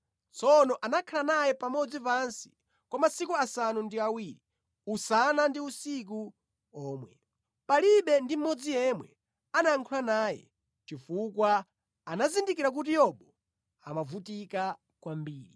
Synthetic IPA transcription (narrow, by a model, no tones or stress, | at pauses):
t͡sʰɔnɔʔanakʰalanajɛpamɔd͡zipansi̥ | kwamasikuasanundiawiːɾi | usanandiusik̬u | ɔːmwɛ | paliɓɛndim̩mɔd͡zijɛmwɛ̰ | anaaŋkʰulanaːjɛ̰ | t͡ʃifukwa | anazindikiɾak̬ut̬ijɔɓɔ | a̰mavutika | kwambiːɾi